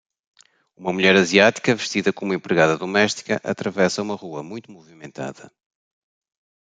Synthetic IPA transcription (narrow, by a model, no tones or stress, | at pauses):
umɐmuʎɛɾɐziat̪i̥kɐvɨʃt̪iðɐkomẽmpɾɨɣaðɐðumɛʃt̪i̥kɐʔɐt̪ɾɐvɛsɐumɐʁuɐmũj̃t̪umuvimẽnt̪a̰ðɐ̰